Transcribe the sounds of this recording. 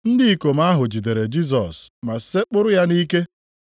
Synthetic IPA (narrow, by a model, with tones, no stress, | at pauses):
n̩˦dɪ˦i˨ko˨m̩a˦ɦʊ˨d͡ʒi˨de˨ɾe˨d͡ʒi˦s̬ɔ˨sma˨se˦k͡pʊ˦ɾʊ˦ja˦ni˦ke˦